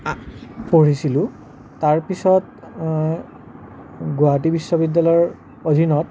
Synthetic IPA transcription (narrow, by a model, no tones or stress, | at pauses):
poɹisilʊ̃ | taɹpisɔt̚ | ɡoatibisːɔbidːalɔɔɹ | odʱinɔt